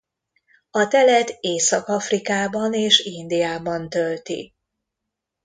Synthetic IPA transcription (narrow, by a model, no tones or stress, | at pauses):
ɒt̪ɛlɛt̪eːsɒkɒfrikaːbɒneːʃind̪ijaːbɒnt̪ølt̪ḭ